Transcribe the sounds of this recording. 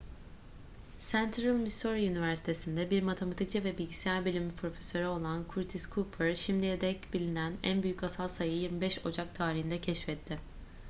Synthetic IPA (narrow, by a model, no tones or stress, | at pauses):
sænt̪ʰɾɯlˠmisoɾiynivæɾsi̥t̪ʰe̞sind̪ɛbiɾmat̪ʰemat̪ʰic̚t͡ʃʰivɛbilʲɟisijæɾbilʲimipʰɾo̞fesø̞ɾɛo̞lˠankʰuɾt̪ʰiskʰuːpʰɛɾʃimd̪ijed̪ɛcbilʲinænæ̰nbyjycasalˠsajɯjiɾmibɛʃo̞d͡ʒak̚t̪ʰaːɾiɦind̪ɛcʰɛʃfɛt̪ʰːɪ